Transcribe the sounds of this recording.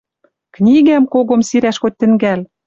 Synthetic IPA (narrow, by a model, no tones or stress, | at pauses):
knʲiɣæmkoɣŏmsiɾæʃɣot̪̚ʲt̪ɘ̆ŋɡæl